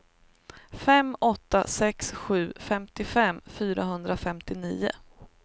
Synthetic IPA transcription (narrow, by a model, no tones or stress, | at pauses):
fɛmɔt̪ːa̰sɛksɧʉ̟ːfɛmt̪ɪfɛmfyːɾaɦɵnd̪ɾafɛmt̪ɪniːʊ̰